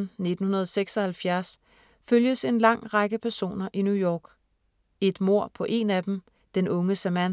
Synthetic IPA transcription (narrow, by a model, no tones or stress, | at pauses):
n̩ne̝d̥n̩hunɐð̞ˠɒseɡ̥sɒ̽hælfjæɐs | føljəse̝nlɑ̈ŋ̰ʁɑ̈ɡ̥əpʰæɐso̝̰ːnɐʔinjujɒ̰ːɡ̥ | e̝d̥mo̝ɐ̰pʰɒ̽ʔe̝næd̥em̩ | d̥enʔɔ̽ŋəsæmæn